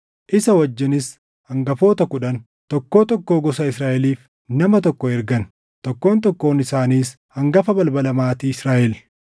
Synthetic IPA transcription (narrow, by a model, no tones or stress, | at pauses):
ʔɪsɐwɐd͡ʒːɪnɪs | hɐŋɡɐfo̞ːt̪ɐkʊᶑɐn | t̪ɔkːo̞ːt̪ɔkːo̞ːɡɔsɐɪsɾaːʔɛliːf | nɐmɐt̪ɔkːɔɛɾɡɐn | t̪ɔkːo̞ːnt̪ɔkːo̞ːnɪsaːniːs | hɐŋɡɐfɐbɐlbɐlɐmaːt̪iːɪsɾaːʔɛl